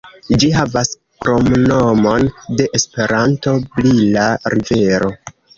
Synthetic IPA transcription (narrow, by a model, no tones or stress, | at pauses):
d͡ʒiɦavas | kɾo̞mno̞mo̞nde̞ʔespe̞ɾanto̞blilaɾʔive̞ɾo̞